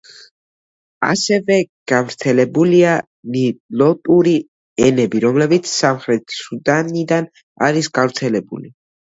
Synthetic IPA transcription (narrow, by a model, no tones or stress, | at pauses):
a̰sɛvɛɡ̥avɾt̪sʰɛlɛbulia | nilɔt̪ʼuɾi | ɛnɛbiɾɔmlɛbit̪sʰsamχɾɛt̪ʰsud̪anid̪an | a̰ɾisɡ̥avɾt̪sʰɛlɛbṵli